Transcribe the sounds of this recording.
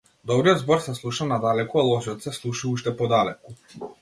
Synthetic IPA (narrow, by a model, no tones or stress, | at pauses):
d̪ɔbɾijɔd̪zbɔɾsɛslˠuʃanad̪alɛkualˠɔʒiɔt̪sɛslˠuʃuuʃt̪ɛpɔd̪alɛku